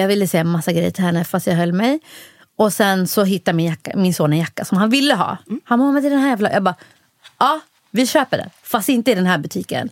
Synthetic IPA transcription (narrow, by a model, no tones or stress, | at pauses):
jɑːɡvɪlːəsɛːamasːaɡɾɛ̰jːəʈʰɪlhɛnːəfast̪jɑːɡɦœlːmɛj | ɔsɛnsɔɦɪt̪ːajmɪnjakːa̰mɪnsoːnɛnjakːasɔmhanvɪlːəɦɑ̰ːhanmɔmat̪ɪd̪ɛnhæːɾjɛfla̰jɑːɡbɑː | ɑː | vɪɕøːpəɖɛ̰fast̪ɪnt̪əɪd̪ɛnɦæːɾbɵt̪ʰiːkə̰n